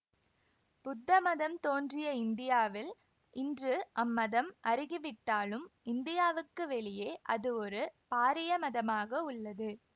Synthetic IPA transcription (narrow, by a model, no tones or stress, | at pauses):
pʊd̪ːɐmɐðɐmt̪oːndrɪjɐɪnd̪ɪjaːʋɪl | ʔɪndrɯʔɐmːɐðɐmʔɐɾɪɣɪʋɪʈːaːlɯmɪnd̪ɪjaːʋɯkːɯʋɛɭɪjeːʔɐðɯɔɾɯpaːɾɪjɐmɐðɐmaːɣɐʊɭːɐðɯ